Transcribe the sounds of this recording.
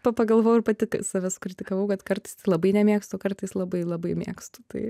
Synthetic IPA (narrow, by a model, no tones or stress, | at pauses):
pɐpɐɡɐlˠʋoːjʊɪɾpɐt̪ʲɪksɑːʋʲæsʊ̥kɾʲɪtʲɪkɐʋɐʊkɐt̪kɐrt̪ɐɪst̪ɪlˠɐbɐɪnʲɛmʲiɛkst̪ʊkɐrt̪ɐɪslˠɐbɐɪlˠɐbɐɪmʲḭːkst̪ʊt̪ɐɪ